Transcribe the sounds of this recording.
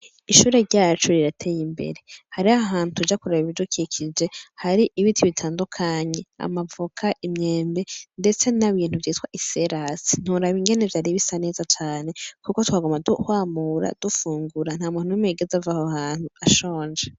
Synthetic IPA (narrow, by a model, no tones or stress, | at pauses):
iʃuːɾe̞ɾɟaːt͡ʃoɾiɾatʰe̞jimbe̞̰ɾe̞haɾiaɦaːnutud͡ʒakuɾaβiβiβivjukikʰid͡ʒe̞haɾiʔiβitʰiβitʰaːndukʰaɲe̞a̰mavukʰaʔimɲe̞ːmbende̞t͡se̞naβiːn̥huvjiːtwaʔise̞ɾasi̥n̥uɾaβiŋɡe̞ne̞vjaɾiβisane̞ːzat͡ʃaːne̞kuko̞twaːɡomaduhwaːmuɾa̰d̥ufuːŋɡuɾan̥haːmuːnunumeɡezavahohaːn̥huaʃo̞ːnd͡ʒe